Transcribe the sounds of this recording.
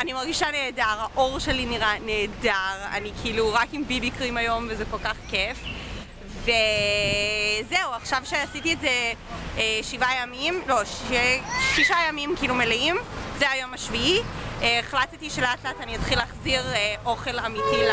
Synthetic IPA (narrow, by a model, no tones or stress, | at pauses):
animaʁɡiʃane̞ːdaʁhaʔo̞ʁʃeliniʁane̞ːdaʁa̰nikʰiiluʁakimbibikʁimajo̞mvezeko̞lkaχkef | ve | zeuaχʃavʃeasitiezeeʃivajamimlo̞ʃeʃiʃajamimkiilumeleimzeajomaʃviieːχlattiʃeleatleataniatχilaχziʁeʔo̞χe̞lamiti